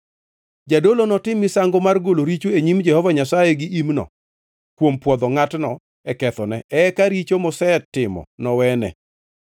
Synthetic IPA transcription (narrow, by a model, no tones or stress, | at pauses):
d͡ʒadolonɔtɪmisaŋɡomarɡoloɾit͡ʃueɲimd͡ʒɛhɔvaɲasajeɡɪʔimnɔ̰ | kwompwɔd̪ɔŋatnɔ | ɛkɛt̪ɔnɛɛkaɾit͡ʃomɔsɛtːɪmɔ̰nɔwɛnɛ̰